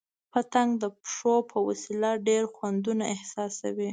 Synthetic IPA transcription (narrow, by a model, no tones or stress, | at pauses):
pət̪aŋɡd̪əpʂopʰəwasilaɖeɾxwand̪unaɪhsɑsa̰wi